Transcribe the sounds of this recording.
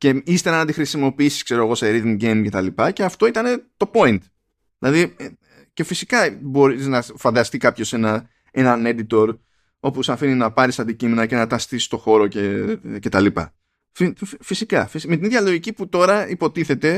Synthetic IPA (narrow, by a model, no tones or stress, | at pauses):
ce̞ist̪e̞ɾɐnɐt̪ixɾisimo̞piisi̥skse̞ɾo̞eɣo̞se̞ɾiðiɟe̞jmce̞t̪ɐlipɐce̞ɐft̪o̞it̪ɐne̞t̪o̞po̞int̪ | ðilɐði | ce̞fisikɐbo̞ɾiznɐfɐnd̪ɐst̪ikɐpço̞se̞nɐ | e̞nɐne̞d̪it̪o̞ɾ | o̞posɐfininɐpɐɾisɐnd̪icime̞nɐce̞nɐt̪ɐst̪ist̪o̞xo̞ɾo̞cece̞t̪ɐlipɐ̰ | fifisikɐfisme̞t̪iniðʝɐlo̞ʝiciput̪o̞ɾɐipo̞t̪iθe̞t̪e̞